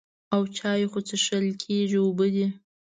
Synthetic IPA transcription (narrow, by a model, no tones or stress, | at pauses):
awt͡ʃɑjexot͡səʃəlkʰeʒiobəd̪i